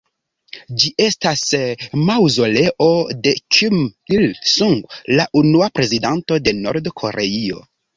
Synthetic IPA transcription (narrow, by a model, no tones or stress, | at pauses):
d͡ʒiʔe̞stasmawzo̞le̞ʔo̞de̞kʰimilsuŋɡlaʔunuapɾe̞zidanto̞de̞no̞̰ɾdkʰo̞̰ɾe̞io̞̰